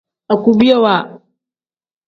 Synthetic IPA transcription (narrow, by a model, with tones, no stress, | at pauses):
a˨ku˨bi˦ɛ˦wa˨